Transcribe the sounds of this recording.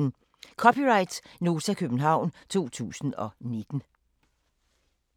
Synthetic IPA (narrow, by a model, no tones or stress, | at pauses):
n | kʰɒ̽pʰiʁɑ̈ɪd̥sno̝ːsʰækʰøb̥n̩ɦɑ̈ʊ̰nt͡sʰo̝̰ːt͡sʰṵːsn̩ɒ̽ned̥n̩